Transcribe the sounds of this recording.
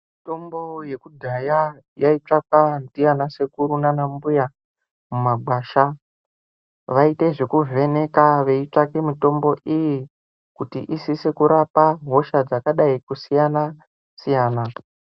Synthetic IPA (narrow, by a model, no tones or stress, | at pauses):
mito̞mbo̞je̞kudʱaja | jait͡ʂakandijanase̞kuɾunanambuja | mumaɡ͡bwaːʃa | ʋaite̞ʐekuve̞ne̞kaʋe̞it͡ʂakemito̞mbo̞ʔiji | kutiʔisise̞kuɾapaɦo̞ʃad͡zakaɗaikusijana | sijaːna